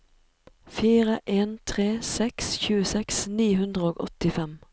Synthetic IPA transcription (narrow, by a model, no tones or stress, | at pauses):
fiːʁəʔeːnt̪ʰʁeːsɛksçʉːəsɛksniːhʉnd̪ʁəoːɡɔ̰t̪ɪfɛm